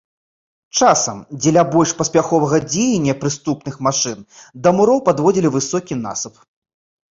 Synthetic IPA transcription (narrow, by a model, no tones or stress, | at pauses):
t͡ʂasɐmd͡zʲɛlʲabɔlʲʂpɐsʲpʲaxɔvɐɣɐd͡zʲejenʲːɐpɾɨst̪upnɨxmaʂɨnd̪ɐmuɾɔwpad̪vɔd͡zʲilʲivɨsɔkʲina̰sɐp